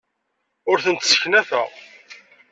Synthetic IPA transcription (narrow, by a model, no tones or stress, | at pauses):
ʊɾθənt̪sə̥çnæθæ̰ʁ